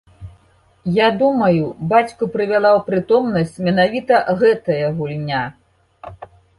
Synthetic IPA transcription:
jad̪umɐjubat͡sʲkupɾɨvʲalˠawpɾɨt̪ɔmnɐsʲt͡sʲmʲɛnavʲit̪ɐɣɛt̪ɐjɐɣulʲnʲa

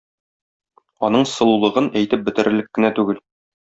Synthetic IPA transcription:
ɒnɤɴsɤ̆lˠulˠɤ̆ʁɤnæjt̪ɘp̚bɘ̆t̪ɘ̆ɾʔɘ̆lɘkːɘ̆næt̪ʉɡɘl

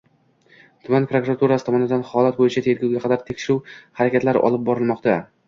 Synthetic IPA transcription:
t̪ʰʊmanpɾokuɾat̪ʰuɾasɪt̪ʰɒmɒnɪd̪anhɒlˠat̪̚bojɪt͡ʃʰat̪ʰe̞ɾɡʲawɡʲaqʰɑd̪aɾt̪ʰekʲʃɪɾuwhaɾakʲat̪laɾɪ̰ʔɒ̰lˠɪp̚bɒɾɪlˠmɒqt̪a

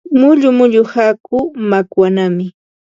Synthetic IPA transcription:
mʊʎʊmʊʎʊhakʊmakwanamɪ

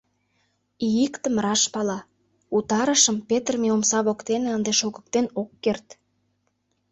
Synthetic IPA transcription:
ijikt̪ə̆mrɑʃpɑlɑ | ut̪ɑɾəʃəmpet̪ərmeomsɑβokt̪eneənd̪eʃoɣə̥̆k̚t̪enokːert̪

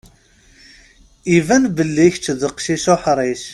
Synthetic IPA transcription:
ivænbəlːiçt͡ʃːðəqʃiʃoħɾˤiʃ

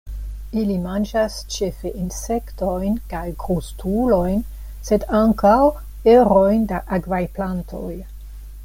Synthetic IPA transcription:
ilimand͡ʒast͡ʃe̞feʔinse̞kto̞jnkajɡɾostulo̞jn | se̞daŋkaw | eɾo̞jndaʔakvajplantʰo̞̰j

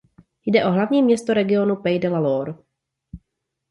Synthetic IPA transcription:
jdɛʔo̞ɦlavɲiːmɲɛst̪oɾɛɡɪo̞nupɛjdɛlaloːɾ

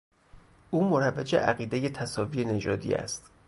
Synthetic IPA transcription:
ʔuːmoɾævːæd͡ʒḛʔæɣiːd̪e̞je̞t̪ʰæsɒːviːene̞d͡ʒɒːd̪ḭːæ̰st̪

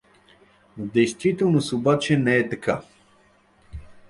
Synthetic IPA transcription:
d̪ɛjst̪vit̪ɛlˠnosobat͡ʃɛnɛɛt̪ɐkʰa

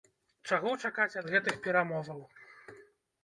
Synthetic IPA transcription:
t͡ʂaɣɔt͡ʂakat͡sʲɐd̪ɣɛt̪ɨxpʲɛɾamɔvɐw

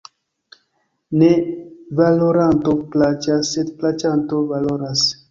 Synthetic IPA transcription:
nevaloɾant̪oplat͡ʃassed̪̚plat͡ʃant̪ovaloɾas

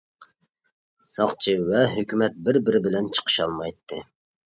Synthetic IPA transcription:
sɑχt͡ʃʰɨwɛɦøkʲymɛt̪̚bɪɾbɪɾɪbɪlɛnt͡ʃʰə̥qʰə̥ʃɑlˠmɑjt̪ʰːɨ

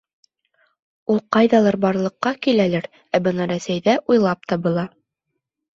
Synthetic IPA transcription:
ulˠqɑjðɑlˠɑɾbɑɾlˠɤ̆qːɑkilælæɾ | æbɤnɑɾæsæjðæʔujlˠɑp̚t̪ɑbɤ̆lˠɑ

